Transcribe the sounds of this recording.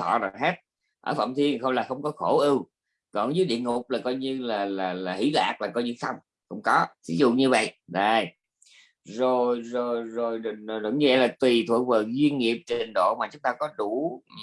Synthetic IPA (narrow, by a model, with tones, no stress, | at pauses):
ɔ̰˧˨za˨˩ɦe˦˥t̚ | ʔəː˧˩fə̰˧˩mt̪ʰi˧ənxə˧wŋ͡mlaː˨˩xə˧wŋ͡mkɔ˨˦xo˧˩ʔɨ˧w | kɔ˨˩nzɨ˨˦jɗḭ˧˨əŋʊ˨˩k͡p̚laː˨˩kɔ˧jɲɨ˧laː˨˩laː˨˩laː˨˩hḭ˧˥la̰ː˨˩k̚laː˨˩kɔ˧jɲɨ˧t̪ʰa˧wŋ͡m | xə̰˧wŋ͡mkɔ˨˦t̪ʰḭ˨˦zṵ˧˨ɲɨ˧və̰˧˨jʔɗə˨˩j | zo˨˩jzo˨˩jzo˨˩jɗŋ˨˩ɗʊ̰˧˩˦ŋ͡mɲɨ˧ʔɛ˧jlaː˨˩t̪wi˨˩t̪ʰwṵ˨˧˩ək̚vəː˨˩zwi˧ənŋi˨˩əp̚t͡ɕi˨˩ŋ̟ɗo̰˧˨maː˨˩t͡ɕʊ˨˦ŋ͡mt̪aː˧kɔ˨˦ɗu˧˩˦